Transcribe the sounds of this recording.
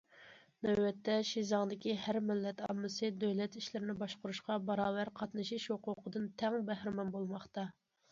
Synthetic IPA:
nɛwːɛt̪ʰːɛʃizɑŋd̪ɪkʲihæɾmɪlːɛt̪ɑ̰mːɨsɨd̪øwlɛt̪iʃlɪɾɪnɪbɑʃqʊɾuʃqɑbɑɾɑːvæɾqʰɑt̪nɨʃiʃhoqʊqʰəd̪ɨnt̪ʰɛŋbæhɾɪmɑnbolˠmɑχt̪ɑ

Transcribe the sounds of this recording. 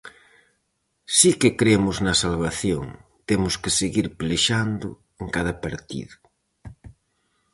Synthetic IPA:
sikekɾemʊznɐsalβaθjoŋt̪emʊskɪseɣiɾpleʃand̪ʊ̰ | eŋkaðɐpaɾt̪ḭðʊ

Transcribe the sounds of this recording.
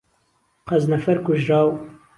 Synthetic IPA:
qɐznɐfɐɾkuʒɾaːw

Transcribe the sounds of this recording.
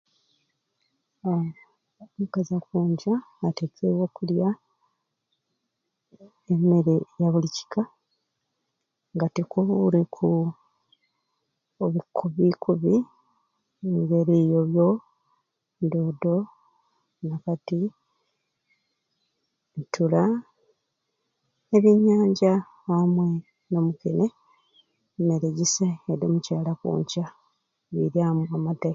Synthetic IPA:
o | mukazakuːɲɟaːtet͡seβwokulja | eme̞ɾejaβulici̥ka | ŋɡatekuuɾekʰu | oβikʰuβikʰuβi | eŋɡe̞ɾijo̞βjo̞ | ndoːdo | nakati | ntula | eβiɲːaːɲɟa | amwe | nomukene | neɾeɟiseedomucaːlakṵːɲca | βḭɾjamuamatek

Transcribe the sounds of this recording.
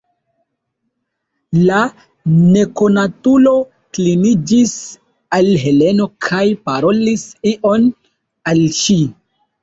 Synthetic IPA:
la | ne̞ko̞natulo̞ | klinid͡ʒis | alɦe̞le̞no̞kʰajpaɾo̞lisiʔo̞n | alʃi

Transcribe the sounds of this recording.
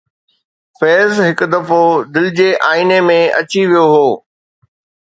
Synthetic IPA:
fɛːzɦɪkʊ̆d̪ɐfod̪ɪlɪd͡ʑeːʔaːinemẽɐ̰t͡ɕiʋijoɦoː

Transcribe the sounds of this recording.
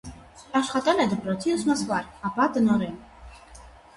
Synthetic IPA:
aʃχat̪ʼalɛd̪bɾɔt̪ʰiusmasvaɾabad̪nɔɾɛn

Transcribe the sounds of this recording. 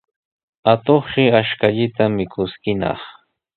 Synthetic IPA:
at̪oχʃɪaʃkaʎɪt̪amɪkʊskɪnɑ̰χ

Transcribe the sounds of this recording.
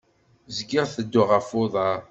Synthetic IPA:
zɡɪʁθəd̪ːʊʁəfʊðˤɑɾ

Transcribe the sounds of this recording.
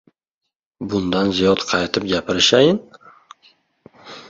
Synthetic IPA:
bʊnd̪anzijɒt̪qʰɑjt̪ʰɪp̚ɡʲapʰɪɾɪʃajɪn

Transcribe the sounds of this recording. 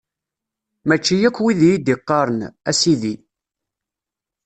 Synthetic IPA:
mæt͡ʃːijækʷːwiðjid̪iqːɑɾˤənæsiði

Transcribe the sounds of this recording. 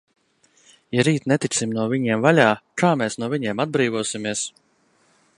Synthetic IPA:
jaɾiːt̪nɛt̪it̪simnuɔvʲiɲiɛmvalʲaːkaːmɛːsnuɔviɲeɛmad̪̚bɾiːvuɔsimʲiɛs

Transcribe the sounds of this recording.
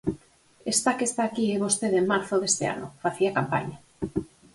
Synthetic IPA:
est̪akest̪aːkieβost̪eðemaɾθʊðest̪ea̰nʊ̰faθiakampa̰ɲa

